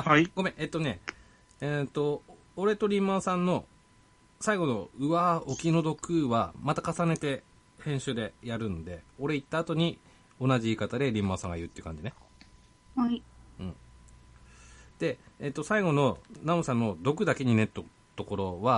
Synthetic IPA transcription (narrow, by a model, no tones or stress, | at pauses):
aɡ̥o̞mẽ̞ʔet̪ːo̞ne̞ | et̪o̞ː | ɾe̞t̪o̞ɾʲĩmːasãnːo̞ | saiɡo̞no̞ɯ̟βaokʲino̞d̪o̞kɯ̟βamat̪akasane̞t̪e̞ | hẽ̞ɕɨːd̪e̞jaɾɯ̟nod̪e̞o̞ɾe̞it̪ːaːt̪o̞ɲ̟i | o̞naʑiiːkat̪ad̪e̞ɾʲĩmːasãŋɡaiɾɯ̟t̪ːeiɯkã̰ɲd͡ʑine̞ | haiɯ̟̃ɴ | d̪̥e̞ːt̪ːo̞saiɡo̞no̞namosãnːo̞d̪o̞kɯ̟d̪ake̞ɲ̟ine̞t̪ːo | t̪o̞ko̞ɾo̞βa